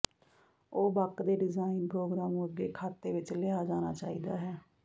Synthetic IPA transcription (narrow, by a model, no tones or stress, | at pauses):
oːbəkd̪eːɖɪzaːinpɾoːɡɾaːmuəɡeːkʰaːt̪eːʋɪt͡ʃlɪaːd͡ʒaːna̰ːt͡ʃaːḭːd̪aːɦɛː